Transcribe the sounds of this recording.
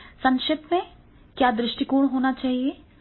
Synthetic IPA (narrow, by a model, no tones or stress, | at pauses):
sɐ̃ŋʃɪt̪mẽ | kjaːd̪ɾɪʃʈikuːɽ̃ɦoːnat͡ʃaːɦieː